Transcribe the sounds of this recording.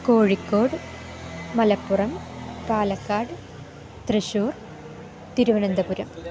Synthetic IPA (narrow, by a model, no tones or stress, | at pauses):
koːɻikːoːɽ | mɐlɐpːʊrɐmpaːlɐkːaːɽ | t̪rɨʂuːr | t̪iɾuʋɐnɐnd̪ɐpuɾɐm